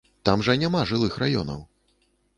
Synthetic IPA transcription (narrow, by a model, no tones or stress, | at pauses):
t̪amʐɐnʲamaʐɨlˠɨxrajɔ̰nɐ̰w